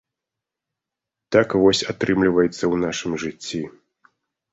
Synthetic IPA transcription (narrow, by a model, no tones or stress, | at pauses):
t̪akvɔsʲat̪ɾɨmlʲivɐjɛt̪sːɐwnaʂɨmʐɨt͡sʲːi